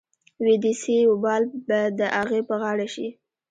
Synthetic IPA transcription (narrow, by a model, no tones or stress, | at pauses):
wed̪iseobɑlbad̪əʔaɣepəɣɑɽaʃḭ